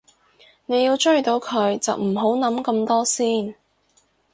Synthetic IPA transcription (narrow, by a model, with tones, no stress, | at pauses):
ne˨˧jiː˧wt͡ʃɵ˥ɥt̪o˨˧wkʰɵ˨˧ɥt͡sɐ̰˨wm̩˨˩ɦo˨˥wnɐ˨˥mkɐ˧mt̪ɔː˥siː˥n